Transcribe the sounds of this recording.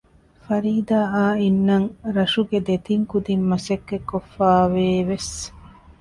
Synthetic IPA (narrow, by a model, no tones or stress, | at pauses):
fɐɾiːd̪aːaːinːɐŋɾɐʃuɡed̪et̪iŋkud̪imːɐsɐkːekːofːaːʋeːʋes